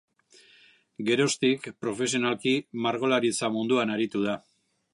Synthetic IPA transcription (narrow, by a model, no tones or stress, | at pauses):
ɡe̞ɾo̞st̪ikpɾo̞fe̞s̬io̞nalkimaɾɣo̞laɾit͡samund̪uanaɾit̪uð̞a